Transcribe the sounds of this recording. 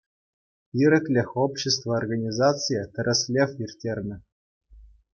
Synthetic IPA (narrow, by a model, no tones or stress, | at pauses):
iɾʲɘ̆klʲɘ̆xʲopɕːest̪vəːrɡanʲizat̪t͡sɨjət̪ɘ̆ɾʲʔɘ̆sʲlʲefirʲtʲerʲnʲɘ̆